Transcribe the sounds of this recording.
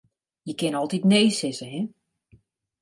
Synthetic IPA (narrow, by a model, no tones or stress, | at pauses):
jəkɪnɔlˠtitneːsɪsəɦɛ